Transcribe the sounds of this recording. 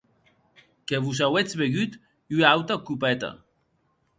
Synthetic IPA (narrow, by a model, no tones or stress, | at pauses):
keβus̬awet͡sβeɣyt̪ | yawt̪akupɛt̪a̰